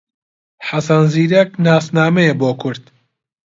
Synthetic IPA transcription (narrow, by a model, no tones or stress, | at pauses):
ħasɐnziːɾɐknaːsnaːmɛjɛboːkʰʊɾd̪̥